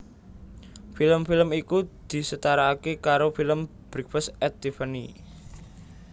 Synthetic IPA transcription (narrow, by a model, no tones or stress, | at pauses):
filəmfiləmikud̪̥i̤sət̪aɾaːkekaɾofiləm | b̥ɾik̚fəsɛt̪ːifani